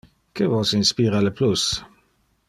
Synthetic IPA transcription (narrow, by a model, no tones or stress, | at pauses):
kevɔsinspiːɾaləplus